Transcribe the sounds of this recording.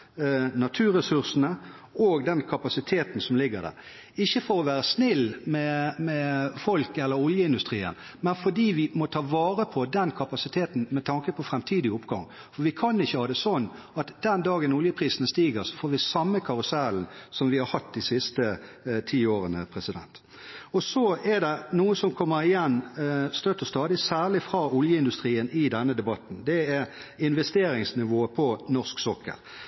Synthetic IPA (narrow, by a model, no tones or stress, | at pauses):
nɑt̪ʰʉːɾɛsʉɾsənə | oːɡd̪ɛnkʰɑpɑsɪt̪ʰeːt̪nsɔmlɪɡːəd̪æ̰ɾ | ɪçːəfɔɾɔʋæːɾəsnɪlːmɛmɛfɔlkɛlːəɾʊljəɪnd̪ʉst̪ʁiːə̰nmɛnfɔdiːʋɪmɔt̪ʰɑːʋɑːɾəpʰɔd̪ɛnkʰɑpɑsɪt̪ʰeːt̪n̩mɛt̪ʰɑŋkəpʰɔfɾɛmt̪ʰiːd̪ɪʊpɡɑŋ | fɔɾʋɪkʰɑnɪçːəhɑːd̪ɛsɔnː | ɑt̪d̪̥ɛnd̪ɑːɡənʊljəpʰʁiːsənəst̪iːɡəʁsɔ̥foːɾʋɪsɑmːəkʰɑʁʊsæːlnsɔmʋɪhɑɾhɑt̪ːd̪ɪsɪst̪ə | t̪ʰiːoːʁənəpʰʁɛsɪd̪ɛ̰nt̪ | ɔsɔɛd̪ɛnuːəsɔmkʰɔmːəɾɪjɛnːst̪œt̪ːəst̪ɑːd̪ɪsæːʁlɪfɾʁɑʊljəɪnd̪ʉst̪ʁiːənɪd̪ɛnːəd̪ɛbɑt̪n̩d̪ɛɛɪnʋɛst̪eːɾɪŋsnɪʋoːpʰɔnɔsksɔkʰːə̰ɾ